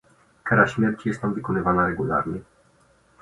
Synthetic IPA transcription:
kaɾaɕmʲjɛɾt͡ɕijɛst̪namvɘkɔnɘvanaɾɛɡula̰ɾɲɛ

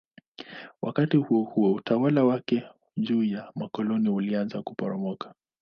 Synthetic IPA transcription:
wa̰katihuɔhuwɛutawalawakɛ | ʄuːjamakɔlɔniulianzakupɔ̰ɾɔmɔkḁ

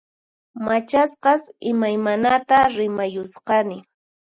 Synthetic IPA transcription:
mat͡ʃasqɑsɪmajmanat̪aɾɪmajʊsqɑnɪ

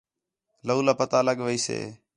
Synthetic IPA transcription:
ləuːlaːpət̪aːləɠʋəiːsḛː

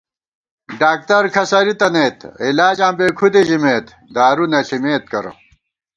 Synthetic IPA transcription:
ɖaːk̚t̪ɐɾkʰɐsɐɾit̪ɐneːt̪ilaːd͡ʑãːmbeːkʰud̪eʑimeːt̪ | d̪aːɾunɐɬimeːt̪̚kɐɾɐ̰

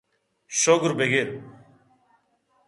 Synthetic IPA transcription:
ʃoːɡɾbeːɡeːt̪̚

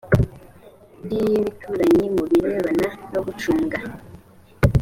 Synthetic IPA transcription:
ndijiβitʰuɾaɲimuβiɾiβananoɡut͡ʃuːŋɡa

